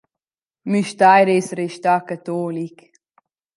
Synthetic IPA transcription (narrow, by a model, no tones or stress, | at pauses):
myʃt̪ajɾesɾeʃt̪akat̪ɔːlik